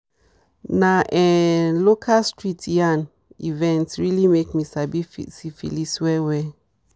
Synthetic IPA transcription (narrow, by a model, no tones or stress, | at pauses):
naʔɛlokʰastʰɹitʰjãn | ivɛ̃ntsɹilimekmisabifḭsifḭliswɛwɛ